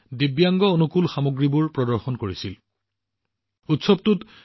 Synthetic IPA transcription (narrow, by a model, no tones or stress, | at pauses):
dibjaŋɡɔonukulxamoɡɹibuɹpɹɔdɔɹxɔnkoɹisil | utsɔb̚tut